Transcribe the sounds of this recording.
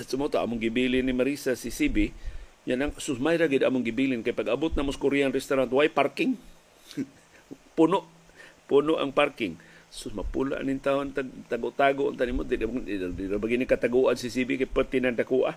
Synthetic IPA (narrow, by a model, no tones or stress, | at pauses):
asumot̪oʔa̰mʊŋɡibilɪnːimaɾisasisibiɲanaŋsʊsmajɾaɡid̪amʊŋɡibilɪnkajpaɡabʊt̪̚namoskʊɾianɾɛst̪aɾant̪wajparkɪŋ | punʊʔ | punʊʔa̰ŋparkɪŋsʊsmapṵla̰ʔnint̪aont̪aɡ̚t̪aɡʊʔt̪aɡʊʔnt̪animot̪idadiɾabaɡinikat̪aɡuʔansisibikajpət̪inandakuʔa̰